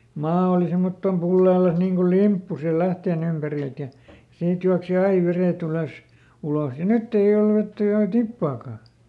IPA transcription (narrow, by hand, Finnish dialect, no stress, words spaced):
mɑː oli semːotːom pulːeːlɑs niːŋ kul limpːu siːl læhteːn ympærilt jɑ siːt juɑksi ɑi ʋereˑt yløs uloh jɑ nytː ei ol ʋetːæ enæ tipːɑːkɑˑ